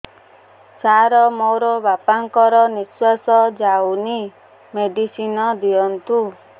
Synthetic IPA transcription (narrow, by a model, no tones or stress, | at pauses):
saɾɔmoɾɔbapaŋkɔɾɔniswasɔd͡ʒawni | meɖisinɔd̪iɔnt̪u